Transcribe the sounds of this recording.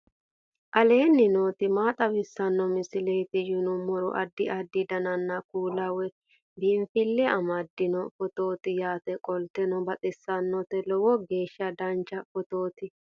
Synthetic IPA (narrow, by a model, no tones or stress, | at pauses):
ʔɐle̞ːnːɪnoːt̪ɪmaːt̪ʼɐbɪsːɐnːɔmɪsɪlejt̪ɪjʊnʊmɔɾɔ̰ʔɐd̪ːɪʔɐd̪ːɪd̪ɐnɐnːɐkuːlɐwɛ | b̪ɪmfɪlːɛʔɐmɐd̪ːɪnɔfɔt̪oːt̪ɪjaːt̪ɛkʼɔlt̪ɛnɔbɐt̪ʼɪsːɐnːɔt̪ɛlɔwɔɡe̞ːʃːɐd̪ɐnt͡ʃːɐfɔt̪oːt̪ɪ